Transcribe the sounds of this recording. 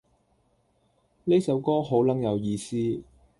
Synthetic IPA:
le˥sɐ˨˥wkɔː˥ɦo˨˥wlɐ˨˥ŋjɐ˨˧wjiː˧siː˥

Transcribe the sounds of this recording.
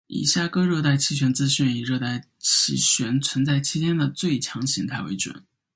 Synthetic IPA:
ḭ˨˩ɕja˥˩kɤ˥ɻɤ˥˧t̪a˥˩ɪt͡ɕʰi˧˥˩ɕɥɛ˧˥nt͡sɹ̩˥ɕy˥˩ni˨˩ɻɤ˥˧t̪a˥˩ɪ | t͡ɕʰi˥˩ɕɥɛ˧˥nt͡sʰwə˧˥nt͡sa˥˩ɪt͡ɕʰi˥t͡ɕjɛ˥nd̪ə˨t͡swe˥˩ɪt͡ɕʰjɑ˧˥ŋɕi˧˥ŋt̪ʰa˥˩ɪwe˧˥ɪʈ͡ʂwə̰˨˩˦n

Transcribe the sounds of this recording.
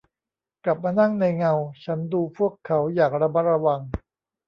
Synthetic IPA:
kla˨˩p̚maː˧na˥˩ŋna˧jŋa˧wt͡ɕʰa˦˥nduː˧pʰu˥˩əkʰːa˦˥wjaː˨˩k̚ɾa˧ma˦˥t̪̚ɾa˧wa˧ŋ

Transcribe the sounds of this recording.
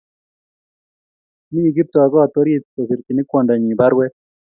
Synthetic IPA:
mi˦i˨ɡi˦p̚t̪ɔ˨a˨ɡɔ˦a˨t̪o˦ɾje˦t̪̚ːo˨si˨ɾki˨nɪ˦kwɔ˨ndɔ˨ɲi˨ba˦ɾwɛ˦

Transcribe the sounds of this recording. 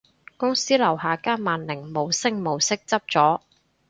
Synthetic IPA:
kʊ˥ŋsiː˥lɐ˨˩whaː˨kaː˥maː˨nlɪ˨˩ŋmo˨˧wsɪ˥ŋmo˨˩wsɪ˥k̚t͡sɐ˥p̚t͡sɔː˨˥

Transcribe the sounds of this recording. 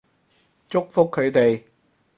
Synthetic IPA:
t͡ʃʊ˥k̚fʊ˥kʰːɵ˨˧ɥt̪e˨j

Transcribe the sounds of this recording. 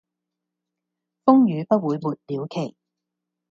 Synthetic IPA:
fʊ˥ŋjyː˨˧pɐ˥t̚wuː˨˧jmuː˨˩t̚liː˨˧wkʰe˨˩j

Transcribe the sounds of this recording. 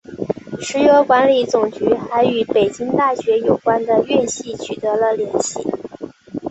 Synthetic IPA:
ʂɻ̩˧˥jo˧˥kwa˧˥nli˧˩t͡sʊ˨˩ŋt͡ɕy˧˥xa˧˥ɪy˨˥˩pe˨˩ɪt͡ɕi˥ŋt̪a˥˩ɕɥɛ˧˥jo˨˩ʊkwa˥nd̪ə˨˧ɥɛ˥˧nɕi˥˩t͡ɕʰy˨˩t̪ɤ˧˥lə˧ljɛ˧˥nɕḭ˥˩

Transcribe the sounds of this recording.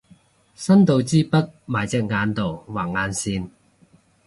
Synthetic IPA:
sɐ˥nt̪o˨˧wt͡siː˥pɐ˥t̚maː˨˩jt͡sɛː˧˥k̚ŋaː˧nt̪o˨wwaː˨˩ŋ̚ŋaː˧nsiː˧n

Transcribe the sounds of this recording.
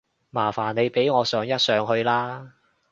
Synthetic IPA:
maː˨˩faː˨˩ne˨˧jpe˨˥jŋɔː˨˧sœː˨˧ŋjɐ˥t̚sœː˨˧ŋɦɵ˧ɥlaː˥

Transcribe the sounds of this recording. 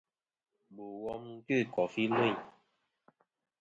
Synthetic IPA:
bo˨wɔ˦m˦ki˦˨kɔ˨fi˦lwe˦˨

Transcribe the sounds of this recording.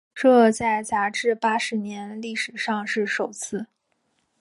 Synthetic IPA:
ʈ͡ʂɤ˥˧t͡sa˥˩ɪt͡sa˧˥ʈ͡ʂɻ̩˥˧pa˥ʂɻ̩˧˥njɛ˧˥nli˥˩ʂɻ̩˨˩ʂɑ˥˧ŋʂɻ̩˥˩ʂo˨˩ʊt͡sʰɹ̩˥˩

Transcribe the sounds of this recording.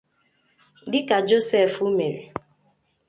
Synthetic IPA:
dɪ˦ka˨d͡ʒo˦sɛ˦˨fu˦me˨ɾḭ˨

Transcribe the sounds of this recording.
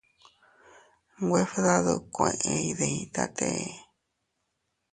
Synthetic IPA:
ɡʷe˦fða˦ðo˧kʷẽ˧ʔẽ˧i˧ðe˧ĩ˧t̪a̰˦t̪e˦e˧

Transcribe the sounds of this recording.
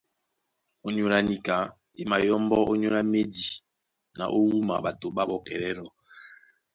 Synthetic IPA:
o˦ɲo˦la˦ni˨ka˨˦ | e˦ma˨jɔ˦mbɔ˦ʔo˦ɲo˦la˦me˦di˨ | na̰˨ʔo˦wu˦ma̰˨ba˨to˨ɓa˦bɔ˨kɛ˨ɾɛ˦lɔ˨

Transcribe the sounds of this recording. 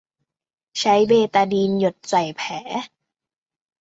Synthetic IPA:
t͡ɕʰa˦˥jbeː˧t̪aː˧diː˧njo˨˩t̪̚sa˨˩jpʰɛː˩˦

